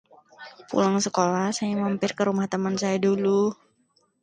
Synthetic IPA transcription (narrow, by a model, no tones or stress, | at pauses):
pṵlaŋsəkolahsajamampɪrkəɾumaht̪əmansajadulu